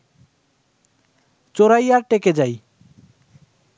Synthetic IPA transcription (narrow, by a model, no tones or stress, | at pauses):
t͡ɕoɾajaɾʈeked͡ʑaj